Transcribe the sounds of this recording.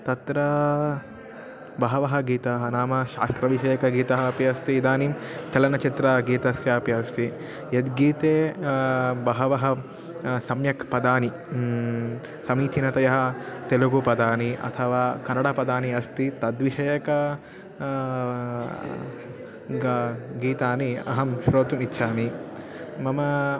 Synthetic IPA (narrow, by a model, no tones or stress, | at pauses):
t̪ɐt̪ɾɐ | bɐɦɐʋɐɦɐɡiːt̪ɐɦɐnaːmɐʃa̰ːst̪ɾɐʋiʃɐjɐkɐɡiːt̪ɐɦɐpijɐst̪iːd̪aːnimt͡ʃɐlɐnɐt͡ʃit̪ɾaːɡiːt̪ɐsjaːpjɐst̪ʰi | jɐd̪ɡiːt̪eː | bɐɦɐʋɐɦɐ̆ | sɐmjɐkpɐd̪aːni | sɐmiːt̪ʰinɐt̪ɐjɐɦɐt̪eluɡupɐd̪aːniʔɐ̰t̪ʰɐʋaːkɐnɐɽapɐd̪aːniɐst̪it̪ɐd̪ʋiʃɐjɐkɐ | ɡiːt̪aːniɐ̰ɦɐmʃɾoːt̪umitːʃʰaːni | mɐmɐ